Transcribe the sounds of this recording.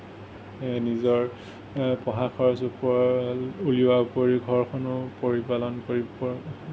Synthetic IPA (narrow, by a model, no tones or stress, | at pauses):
nizɔɹ | pɔɦakʰɔɹsupɔ | uliwaupoɹiɡʱɔɹkʰɔnʊpoɹipalɔnkoɹiɔ